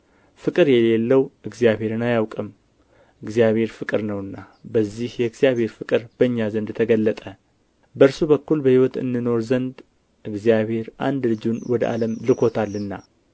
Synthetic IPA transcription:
fɨkʼɨɾjɛle̞lːəwʔɨɡzijabhe̞ɾɨnajawkʼɨm | ʔɨɡzijaβhe̞ɾfɨkʼɨɾnəwɨnːa | bəzːihjɛɨɡzijaβhe̞ɾfɨkʼɨɾb̥əɨɲːazənd̪t̪ʰəɡəlːət̪ʼə | bəɨɾsubəkːulbəhiwɔt̪ɨ̰nːɨno̞ɾzənd̪ | ʔɨɡzijaβhe̞ɾʔa̰nd̪lɨd͡ʒunwɔd̪əʔa̰ləmlɨkʰo̞t̪ʰalːɨnːa

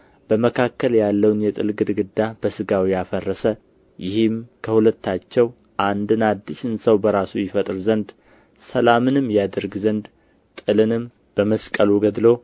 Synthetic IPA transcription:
b̥əməkʰakːəljalːəwnjɛt̪ʼɨlɡɨd̪ɡɨd̪ːab̥əsɨɡawijafərːəsə | jɪhɨmkʰəhulət̪ʰːat͡ʃːɛw | ʔand̪ɨnad̪ːisɨnsəwbəɾasujɪfət̪ʼɨɾzənd̪ | səlamɨnɨmːjad̪əɾɡzənd̪ | t̪ʼɨlɨnɨm | b̥əməskʼəluɡəd̪lo̞

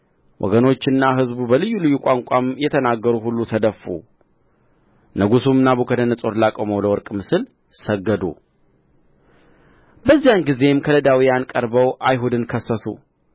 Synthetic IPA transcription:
wʔɔ̰ɡəno̞t͡ʃːɨnːaɦɨzbubəlɨjːulɨjːukʷʼaŋkʷʼamjɛt̪ʰənaɡːəɾuɦulːut̪ʰəd̪əfːṵ | nəɡusumɨnːabukʰəd̪ənəsʼo̞ɾlakʼoməwləwɔɾkʼmɨsɨl | səɡːəd̪ṵ | bəzːijanɡize̞mkʰələd̪awijankʼəɾbəwʔajɦud̪ɨnkʰəsəsṵ

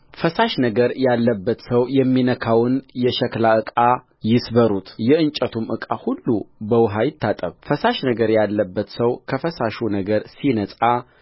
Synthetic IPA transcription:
fəsaʃnəɡəɾjalːəbːət̪səwjɛmːinəkʰawɨnjɛʃɛklaɨkʼa | jɪsbəɾut̪jɛɨnt͡ʃʼət̪ʰumʔɨkʼahulːubəwɦajɪt̪ʰːat̪ʼə̰βfəsaʃnəɡəɾjalːəbːət̪səwkʰəfəsaʃunəɡəɾsinəsʼa

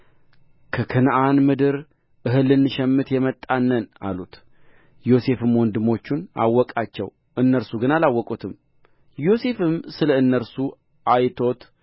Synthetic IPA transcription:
kʰəkʰɨnʔanmɨd̪ɨɾ | ʔɨɦɨlːɨnːɨʃɛmːɨt̪jɛmət̪ʼːanːəna̰lut̪ | jo̞se̞fɨmwɔnd̪ɨmo̞t͡ʃːuna̰wːɔkʼat͡ʃːɛ̰w | ʔɨnːəɾsuɡɨnalawːɔkʼut̪ʰɨm | jo̞se̞fɨmsɨləɨnːəɾsu | ʔajt̪ʰo̞t̪

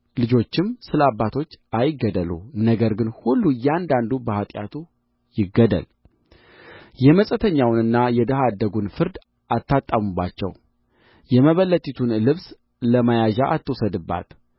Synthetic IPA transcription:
lɨd͡ʒo̞t͡ʃːɪmsɨləabːat̪ʰo̞t͡ʃːajɪɡəd̪əlṵnəɡəɾɡɨnhulːujand̪and̪ubəhat̪ʼja̰t̪ʰu | jɪɡːəd̪ə̰l | jɛməsʼət̪ʰəɲːawnɨnːajɛd̪əɦad̪ːəɡunfɨɾd̪ | at̪ːat̪ʼːamubːa̰t͡ʃːɛ̰w | jɛməβəlːət̪ʰʼit̪ʰunlɨβs | ləmajaʒaʔat̪ʰːɨwsəd̪ɨbːa̰t̪

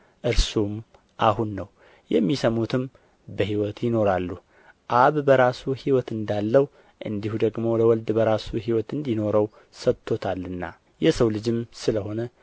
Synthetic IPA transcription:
ʔɨɾsum | ʔaɦunːəw | jɛmːisəmut̪ʰɨm | bəɦiwɔt̪jɪno̞ɾalːu | ʔaβbəɾasuhiwɔt̪ɨnd̪alːəw | ʔɨ̰nd̪ihud̪əɡmo̞ləwɔld̪bəɾasuɦiwɔt̪ɨnd̪ino̞ɾəw | sət̪ʰːo̞t̪ʰalːɨnːa̰ | jɛsəwlɨd͡ʒɨmsɨləho̞nə

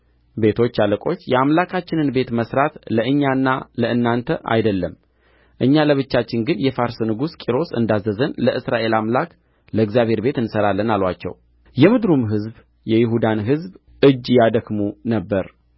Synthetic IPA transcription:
be̞t̪ʰo̞t͡ʃːaləkʼo̞t͡ʃːjɛamlakʰat͡ʃːɪnɨnbe̞t̪məsɾat̪ləʔɨɲːanːaləɨnːant̪ʰəʔa̰jd̪əlːəm | ʔɨɲːaləβɨt͡ʃːat͡ʃːɪnɡɨnjɛfaɾsnɨɡuskʼiɾo̞sɨ̰nd̪azəzənləʔɨsɾaʔe̞lamlak | ləɪɡzjaβhe̞ɾbe̞t̪ɨnsəɾalːənalwat͡ʃːɛ̰w | jɛmɨd̪ɾumɦɨzb | jɛjɪɦud̪anɦɨzb | ʔɨd͡ʒːjad̪əkmunəbːəɾ

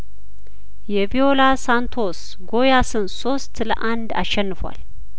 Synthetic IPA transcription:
jɛvio̞lasant̪ʰo̞s | ɡo̞jasɨnso̞st̪lə̰ʔand̪a̰ʃːɛnːɨfwa̰l

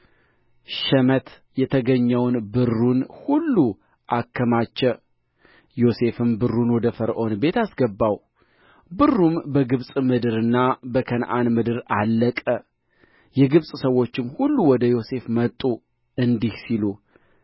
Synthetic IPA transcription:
ʃɛmət̪ | jɛt̪ʰəɡəɲːɛwnbɨrːunhulːu | ʔakʰːəmat͡ʃːɛw | jo̞se̞fɨmbɨrːunwɔd̪əfəɾʔo̞nbe̞t̪asɡəbːaw | bɨrːumbəɡɨβsʼmɨd̪ɨɾɨnːabəkʰənʔanmɨd̪ɨɾalːəkʼə | jɛɡɨβsʼsəwːo̞t͡ʃːɪmhulːuwɔd̪əjo̞se̞fmət̪ʼːu | ɨnd̪ihsilu

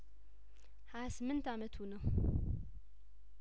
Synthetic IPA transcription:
ħaðsɨmːɨnt̪ʰamət̪ʰwunɐw

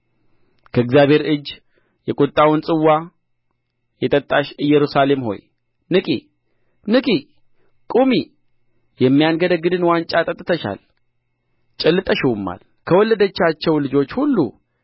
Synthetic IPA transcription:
kʰəɨɡzjaβhe̞ɾɨd͡ʒː | jɛkʼut̪ʼːawʊnsʼɨwːa | jɛt̪ʼət̪ʼːaʃɨjːɛɾusale̞mho̞̰j | nɨkʼḭ | nɨkʼi | kʼumi | jɛmːijanɡəd̪əɡɨd̪ɨnwant͡ʃʼat̪ʼət̪ʼːt̪ʰəʃa̰l | t͡ʃʼɛlːɨt̪ʼəʃɪwmːa̰l | kʰəwɔlːəd̪ət͡ʃːat͡ʃːɛwlɨd͡ʒo̞t͡ʃːhulːṵ

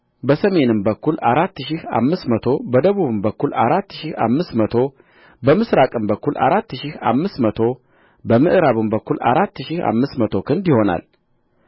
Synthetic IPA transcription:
bəsəme̞nɨmbəkːulaɾat̪ːʃiha̰mːɨsmət̪ʰo̞bəd̪əβuβɨmbəkʰːulʔa̰ɾat̪ːʃiha̰mːɨsmət̪ʰo̞ | bəmɨsɾakʼɨmbəkʰːulʔa̰ɾat̪ːʃiha̰mːɨsmət̪ʰo̞ | bəmɨʔɾaβɨmbəkːulʔa̰ɾat̪ːʃiha̰mːɨsmət̪ʰo̞kʰɨnd̪jɪho̞na̰l

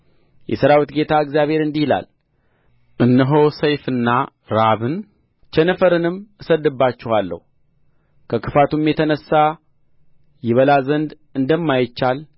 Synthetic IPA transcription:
jɛsəɾawit̪ɡe̞t̪ʰaɨkzijaβhe̞ɾɨnd̪ihla̰l | ʔɨnːəɦo̞səjfɨnːa | ɾaβɨn | t͡ʃʰɛnəfəɾɨnɨmɨsəd̪ːɨbːat͡ʃːɛhalːə̰hu | kʰəkʰɨfat̪umjɛt̪ʰənəsːa | jɛβəlazənd̪ | ɨnd̪əmːajɪt͡ʃːal

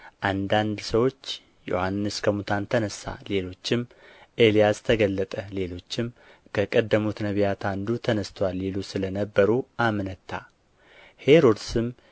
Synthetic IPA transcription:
ʔand̪and̪səwo̞t͡ʃː | jo̰hanːɨskʰəmut̪ʰant̪ʰənəsːa̰le̞lo̞t͡ʃːɪmʔe̞lijast̪ʰəɡəlːət̪ʼəle̞lo̞t͡ʃːɪm | kʰəkʼəd̪ːəmut̪nəβijat̪ʰand̪ut̪ʰənəst̪ʰwalːelusɨlənəbːəɾuʔamnət̪ʰːa̰ | he̞ɾo̞d̪sɨm

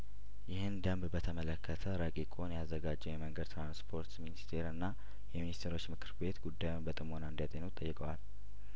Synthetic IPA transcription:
jɪhɨnd̪əmbbət̪ʰəmələkʰːət̪ʰəɾəkʼikʼonjazːəɡad͡ʒːɛwjɛməŋɡəd̪t̪ɾanspʰo̞ɾt̪minist̪ʰe̞ɾɨnːa | jɛminist̪ʰeɾo̞t͡ʃːmɨkʰɨɾbe̞t̪ɡud̪ːajunbət̪ʼɨmonand̪jat̪ʼenut̪ʼːəjːɪkʼəwal

